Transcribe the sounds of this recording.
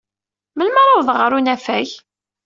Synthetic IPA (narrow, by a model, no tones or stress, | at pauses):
məlməɾˤaðˤʁɾˤunæfæç